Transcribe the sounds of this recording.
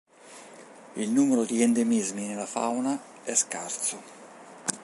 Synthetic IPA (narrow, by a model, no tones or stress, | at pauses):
ilnuːmeɾod̪iɛnd̪emizminelafa̰wna | ɛskart̪so